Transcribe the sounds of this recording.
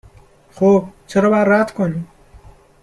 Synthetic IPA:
xob̚t͡ʃʰeɾɒːbaɾad̪kʰoni

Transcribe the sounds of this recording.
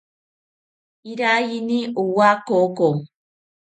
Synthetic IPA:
iɾajiniuwakoko

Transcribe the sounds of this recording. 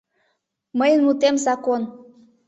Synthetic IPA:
məjənmut̪emzɑkon

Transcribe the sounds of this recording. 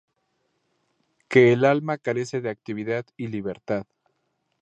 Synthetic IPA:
ke̞ːlalmakaɾe̞se̞ðeak̚t̪iβ̞iðaðiliβe̞ɾt̪að

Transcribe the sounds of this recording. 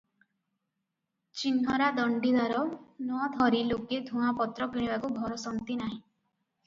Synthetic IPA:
t͡ʃinɦɔɾad̪ɔɳɖid̪aɾɔnɔd̪ʱɔɾiloked̪ʱũapɔt̪ɾɔpiɽ̃ibakubʱɔɾɔsɔnt̪inaɦĩ

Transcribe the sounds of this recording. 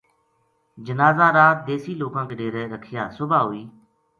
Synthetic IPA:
d͡ʒənaːzaːɾaːt̪̚d̪eːsiːloːkãːkeɖeːɾɛːɾəkʰɪjaːsʊbʱaːɦʊiː

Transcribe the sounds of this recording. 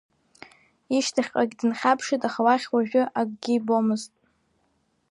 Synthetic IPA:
iʃtʰaχʲqʼaɡʲdɨnχʲapʰʂɨtʼaχawaχʲwaʒᶣʏʔakʼɡʲɪbomɨztʼ

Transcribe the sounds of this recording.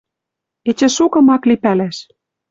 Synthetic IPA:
et͡ɕĕʃukɤ̆mɑklipælæʃ

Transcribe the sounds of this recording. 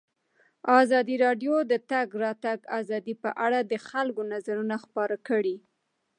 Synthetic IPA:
ɑzɑd̪iɾɑɖjod̪ət̪aɡɾɑt̪aɡazɑd̪ipəʔaɽad̪əxalkonazaɾunaxpɑɾakəɽi

